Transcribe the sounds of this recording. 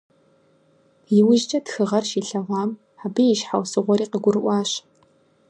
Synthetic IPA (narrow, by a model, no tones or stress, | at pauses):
jɪwʊʒt͡ʃʼɐtxɨʁɐrʃiːɬɐʁɑːm | aːbijɪʃħawsɨʁʷɔɾiːqəɡʷʊrɨʔʷɑːɕ